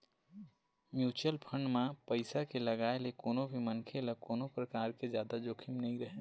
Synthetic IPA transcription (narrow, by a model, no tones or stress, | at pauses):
mjuːt͡ʃəlpʰəɳɖmãpəɪsakeləɡaːelekoːnobʱimənkʰeləkoːnopɾəkaːɾked͡ʒjaːd̪ad͡ʒoːkʰimnəɦĩɾəɦẽ